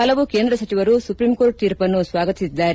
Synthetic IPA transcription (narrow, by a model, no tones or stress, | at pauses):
ɐlɐʋukeːnd̪ɾɐsɐt͡ʃiʋɐɾusupɾimkoːɾʈ̚t̪iːɾpɐnːusʋaːɡɐt̪isid̪ːaːɾ